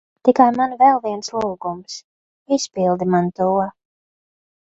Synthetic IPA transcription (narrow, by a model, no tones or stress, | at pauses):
t̪ikajmanvɛlˠviɛnslˠuːɡums | ispilˠd̪imant̪uɔ